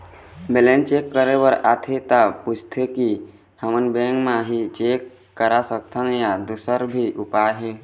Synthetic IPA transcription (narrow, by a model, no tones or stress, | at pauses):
belẽnt͡ʃeːkːəɾebəɾat̪ʰet̪aput͡ʃʰt̪ʰeki | həmənbẽŋɡmãɦit͡ʃeːkː | əɾasək̚t̪ʰənjad̪usəɾbʱiʔʊpajɦe